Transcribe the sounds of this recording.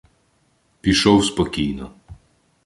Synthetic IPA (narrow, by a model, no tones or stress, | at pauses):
piʃɔwspɔkiːnɔ